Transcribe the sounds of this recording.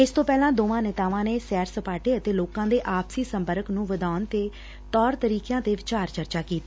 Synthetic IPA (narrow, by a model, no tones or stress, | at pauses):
ɪst̪õːpɛːlãːd̪oːʋãːnɛt̪aːʋãːneːsɛːɾsəpaːʈeːət̪eːloːkãːd̪eːʔaːbsiːsə̃mpəɾəknũːʋəd̪aːnt̪eː | t̪ɔːɾt̪əɾiːkjãːd̪eːʋɪt͡ʃaːɾt͡ʃəɾt͡ʃaːkiːt̪aː